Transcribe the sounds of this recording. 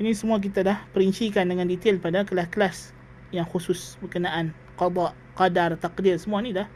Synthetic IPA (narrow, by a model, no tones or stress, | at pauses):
inisəmuak̬it̪adahpəɾiɲt͡ʃikandəŋandit̪elpadakəlaskəlas | jaŋxusʊsbəkənaʔan | qɑd̪ˤɑʔ | qɑdart̪aqdɪrsəmuanidah